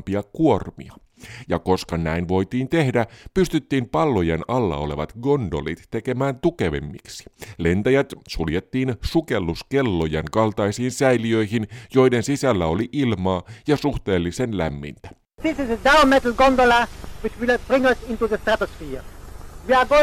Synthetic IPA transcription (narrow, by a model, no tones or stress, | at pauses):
mpiɑkuo̞rmḭɑ | jɑko̞skɑnæ̰inʋo̞jt̪iːnt̪e̞hdæpyst̪yt̪ːiːmpɑlːo̞jenɑlːɑ̰o̞̰le̞̰ʋɑ̰t̪ɡo̞ndo̞̰lḭt̪ːe̞ke̞mæːnt̪uke̞ʋḛmːḭksi̥le̞nt̪æjæt̪suljet̪ːiːnsuke̞lːuske̞lːo̞jeŋkɑlt̪ɑjsiːnsæjliø̞jɦinjo̞jde̞nsisælːæo̞liʔilmɑːjɑsuht̪e̞ːlːise̞nlæ̰mːḭnt̪æ̥ | ðɪsɪsədaʊmetl̩ɡõndolawit͡ʃwilb̥ɾɪ̃ŋʌsɪ̃nt̪uðəst̪æt̪osfiːʋiɑɡo